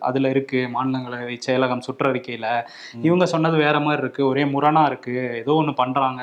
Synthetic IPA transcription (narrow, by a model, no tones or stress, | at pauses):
ɐ̰ðɪlɐɪɾɯkːɯmaːnɪlɐŋɡɐɭt͡ʃːɛjɐlɐɣɐmsʊʈrɐɾɪkːɐjɪlɐ | ɪʋɐŋɡɐsɔnːɐðɯʋeːɾɐmaːd̪ɾɪɾɯkːɯɔɾeːmʊɾɐnaːɪɾɯkːɯɛðoːɔnːɯpɐɳːɾaːŋɡɐ